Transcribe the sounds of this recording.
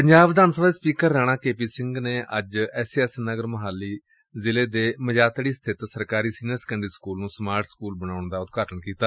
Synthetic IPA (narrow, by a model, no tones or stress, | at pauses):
pəɲd͡ʒaːbd̪aːnsəbd̪eːspiːkəɾːɛːɽ̃ãːkeːpiːsɪ̃ŋɡneːʔəd͡ʒɛːsɛːsnəɡəɾməɦaːlːiː | zɪleːd̪eːməd͡ʒaːt̪ɽiːst̪ʰɪt̪səɾkaːɾiːsiːnəɾsə̥kə̃ɳɖɾiːskuːlnũːsmaːɾʈʰskuːlbəñaːʊɳd̪aːʊt̪ɡaːʈəɳkiːt̪aː